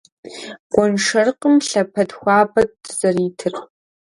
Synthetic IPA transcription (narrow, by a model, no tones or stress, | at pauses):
ɡʷʼɔnʂɐrqəmɬɐpʰɐdxʷɑːbɐt̚z̥ɐriːtʰɨr